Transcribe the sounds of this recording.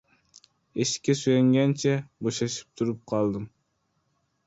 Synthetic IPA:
eʃkʲʰːɛsøjɛŋɡʲɛnt͡ʃʰɛboʃɑʃi̥p̚t̪ʰuɾup̚qʰɑlˠd̪ɨm

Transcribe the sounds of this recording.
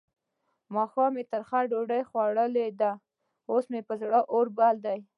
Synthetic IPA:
mɑxɑmet̪əɾxaɖoɖajxwaɽəled̪a | osmepəzɽəʔoɾbald̪aj

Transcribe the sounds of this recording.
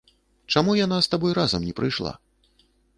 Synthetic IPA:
t͡ʂamujanast̪abɔjɾazɐmnʲɛpɾɨjʂlˠa̰

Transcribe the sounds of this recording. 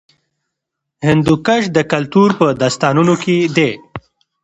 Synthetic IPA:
hɪnd̪ukaʃd̪əkalt̪uɾpəd̪ast̪ɑnunoked̪e

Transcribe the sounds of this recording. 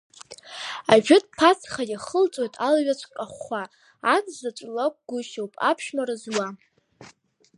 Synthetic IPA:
aʒᶣɪt̚ʼpʰat͡sʰχajaχəlt͡sʷʼojtʼalɥat͡ɕʷʰʼkʼaχʷaː | t͡sʰʼzat͡ʃʷʼlak̚ʷʼɡʷʊʃawpʼapʰʃmarɨzwa

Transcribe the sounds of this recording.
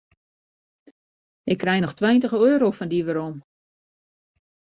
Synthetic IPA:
ɪkːrɛjnɔxtwɛjntəɣəøːɾowfɔndiʋəɾom

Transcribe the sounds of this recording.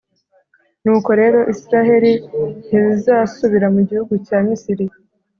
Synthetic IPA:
nuːko̞ɾe̞ːɾo̞ʔisiɾaɦe̞ɾin̥izizaːsuβiɾamuɟihuɡucaːmisiɾi

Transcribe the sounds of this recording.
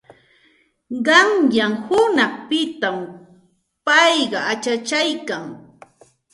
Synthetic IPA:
ɢɑŋjamhʊnɑχpɪt̪am | pɑjɢɑat͡ʃat͡ʃajkaŋ

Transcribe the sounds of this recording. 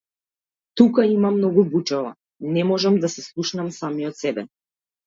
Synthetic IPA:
t̪ukaimamnɔɡubut͡ʃava̰ | nɛmɔʒamd̪asɛslˠuʃnamsamijɔt̪sɛbɛ̰

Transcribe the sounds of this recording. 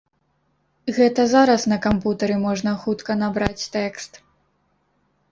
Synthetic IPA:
ɣɛt̪ɐzaɾɐsnɐkamput̪ɐɾɨmɔʐnɐxut̪kɐnabɾat͡sʲt̪ɛkst̪

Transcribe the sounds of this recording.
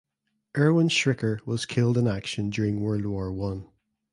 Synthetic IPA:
ʔɜ˞wə̃nʃɹɪkə˞wɒz̥kʰɪlˠdɪ̃nakʃə̃nd͡ʒʉːɹɪ̃ŋwɜ˞lˠdwɔɹwʌ̃n

